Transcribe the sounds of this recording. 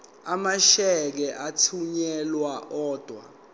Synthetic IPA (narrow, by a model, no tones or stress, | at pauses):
amaʃɛk̬ɛʔatʰuɲɛlwaʔɔːd̥ʱwa̰